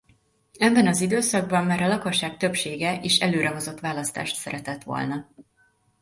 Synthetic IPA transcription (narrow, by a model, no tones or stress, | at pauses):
ɛbːɛnɒzid̪øːsɒɡ̚bɒmːɛɾɒlɒko̞ʃːaːk̚t̪øpʃeːɡɛʔeːʃɛløːɾʔɛɦo̞zo̞t̪ːʋaːlɒst̪a̰ːʃt̪sɛɾɛt̪ɛt̪ʋo̞̰lnɒ